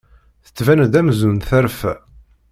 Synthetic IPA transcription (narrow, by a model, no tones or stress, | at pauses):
θə̥t͡sːvænd̪æmzunθæɾfæ